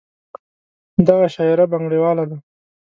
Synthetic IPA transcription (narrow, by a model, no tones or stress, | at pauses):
d̪aɣaʃɑɪɾabaŋɡɽewɑlad̪a